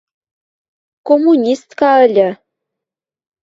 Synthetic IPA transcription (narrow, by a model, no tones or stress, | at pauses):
komunʲist̪kɑə̆lʲə̆